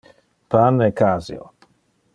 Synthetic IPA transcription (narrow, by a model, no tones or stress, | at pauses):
panekʰazḭo̰